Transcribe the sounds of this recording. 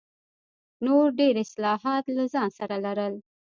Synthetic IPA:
noɾɖeɾɪslɑhɑt̪lazɑnsaɾalaɾəl

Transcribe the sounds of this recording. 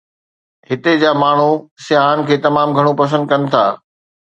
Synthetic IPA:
ɦɪt̪ed͡ʑaːmaːɳ̤usɪaːnɪ̆kʰeːt̪ɐmaːmɡʱɐɽ̃upɐs̬ə̃nd̪̚kɐnɪ̆t̪ʰa̰ː

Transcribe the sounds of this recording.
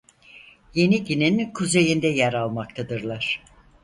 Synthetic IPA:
je̞niɟininkʰuze̞jind̪ɛjæɾalˠmak̚t̪ʰad̪ɯɾlˠaɾ̥

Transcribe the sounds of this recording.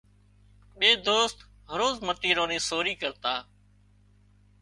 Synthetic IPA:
ɓeːd̪oːst̪ | ɦəɾoːzmət̪iːɾõːnĩːsoːɾiːkəɾt̪aː

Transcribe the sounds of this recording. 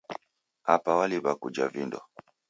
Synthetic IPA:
apawaliβakud͡ʒavindɔ̰

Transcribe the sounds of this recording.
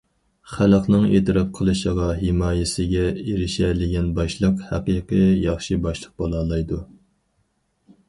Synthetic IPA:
χælˠqnɨŋet̪ʰɾɑp̚qʰəlˠɨʃəʁɑɦɪmɑːjɪsɪɡʲɛeɾɪʃɛlɪɡʲɛnbɑʃlˠəqhæqijqəjɑχʃibɑʃlˠəq̚bolˠɑːlˠɑjd̪u

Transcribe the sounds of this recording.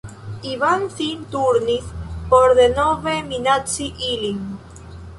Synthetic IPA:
iβanθint̪uɾnipoɾðenoβeminat͡siʔiliŋ

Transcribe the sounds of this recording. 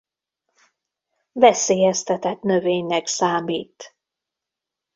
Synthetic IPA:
vɛseːjɛst̪ɛt̪ɛt̪nøveːɲnɛksaːmiːt̪

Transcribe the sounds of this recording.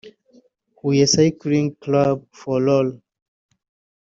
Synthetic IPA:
huesakɹĩŋklab̚fɔlɔl

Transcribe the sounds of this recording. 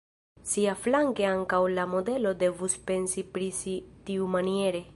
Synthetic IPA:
siaflaŋke̞aŋkawlamo̞de̞lo̞de̞vuspe̞nsipɾisitiumanie̞ɾe̞

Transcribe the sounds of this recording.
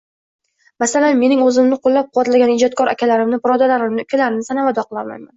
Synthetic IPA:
masalanme̞nɪŋɵzɪmnɪqʰolːap̚qʰʊwat̪laɡʲanɪd͡ʒɒt̪̚kʰɒɾa̰kʲʰalaɾɪmnɪbɪɾɒd̪alaɾɪmnɪkʰʲalaɾɪnɪsanavad̪ɒqʰɨlˠaɾma̰jman

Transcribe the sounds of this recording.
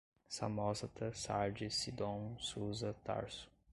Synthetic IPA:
sa̰mɔsɐt̪ɐsaɾd͡ʒisid̪õnsuzɐt̪a̰ɾsʊ̥

